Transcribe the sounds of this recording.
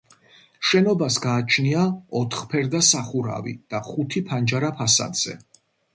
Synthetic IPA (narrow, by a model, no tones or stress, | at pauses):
ʃɛnɔbasɡaːt͡ʃʰniaɔt̪ʰχpʰɛɾd̪asaχuɾa̰vḭd̪̥aχut̪ʰipʰand͡ʒaɾapʰasa̰d̪z̥ɛ̰